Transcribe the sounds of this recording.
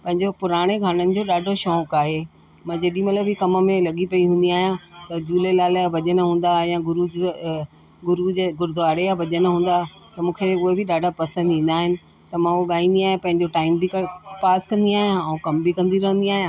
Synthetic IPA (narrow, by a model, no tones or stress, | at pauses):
pɐ̃ɦɪ̃ɲd͡ʑopʊɾaːɽ̃eɡʱaːɽ̃ənɪ̆d͡ʑoːɗaːɖʱoʃɔːkaːɦe | mãːd͡ʑeːɗĩmɐt̪ləbɪkɐməmẽlɐɠipɐiɦũːn̆d̪iaːɦijãt̪ɐd͡ʑuːlelaːlaʋɐʄənəɦũːn̆d̪ajãɡʊɾu | ɡʊɾud͡ʑeɡʊɾd̪ʱaːɽeaʋɐʄənəɦũːnd̪a | t̪ɐmũːkʰeʊɦebʱɪɗaːɖʱapɐsə̃nd̪ɦĩːn̆d̪aːɦɪnɪ̆ | t̪ɐmãʊoɠaːĩːnd̪iaːɦijãpɐ̃ɦɪ̃ɲd͡ʑoʈaːɪmbʱikɐpaːskɐ̃nd̪iaːɦijãuːkɐmbʱikɐ̃nd̪iɾɐɦə̃nd̪iaːɦijãː